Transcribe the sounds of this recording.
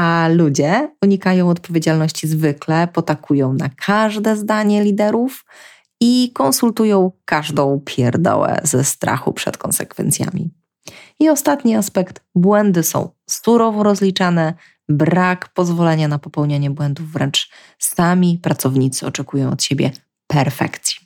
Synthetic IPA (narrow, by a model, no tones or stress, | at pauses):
alud͡ʑɛuɲikajɔ̃w̃ɔt̪pɔvʲjed͡ʑalnɔɕt͡ɕizvɘklɛpɔt̪akʰujɔ̃w̃nakʰaʐd̪ɛzd̪aɲɛlʲid̪ɛɾuf | ikɔnsult̪ujɔ̃w̃kaʐd̪ɔ̃w̃pʲʰjɛɾd̪ɔ̰wɛ̰zɛst̪ɾa̰xṵpʂɛ̰t̪kɔ̰nsɛkfɛ̰nt̪sʲja̰mʲḭ | iɔst̪at̪ɲiaspɛkt̪bwɛnd̪ɘsɔ̰̃w̃ | suɾɔvɔɾɔzlʲit͡ʂanɛ | bɾakpɔzvɔlɛɲanapɔpɛwɲaɲɛbwɛnd̪uvːɾɛnt͡ʂ | samʲipɾat̪sɔvɲit̪sɘɔt͡ʂɛkujɔ̃w̃ɔt̪ɕɛbʲjɛ̰ | pɛɾfɛ̰kt̪sʲji̥